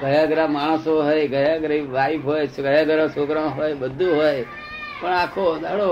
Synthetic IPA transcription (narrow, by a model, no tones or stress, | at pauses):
ɡʱəjaɡɾãmaɽ̃soɦojɡʱəjaɡɾiʋaipɦojɡəjãɡəɾãsokɾãɦojbəd̪ʱuɦoj | pəɳakʰod̪aɽo